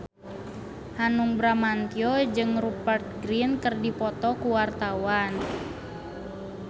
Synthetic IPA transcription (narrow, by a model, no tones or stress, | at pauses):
hanuŋbɾamant̪iɔd͡ʒɨŋrupərt̪̚ɡɾinkərdipɔt̪ɔkuwart̪awan